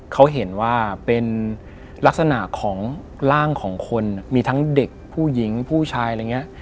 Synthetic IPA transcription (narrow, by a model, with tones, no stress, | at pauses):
kʰa˦˥wɦe˩˦nwaː˥˩pe˧n | la˦˥k̚sa˧na˨˩ʔkʰɔː˩˦ŋ | ɾaː˥˩ŋkʰɔː˩˦ŋkʰo˧nmiː˧t̪ʰa˦˥ŋde˨˩k̚pʰuː˥˩ji˩˦ŋpʰuː˥˩t͡ɕʰaː˧jɾa˧ŋi˦˥ɐʔ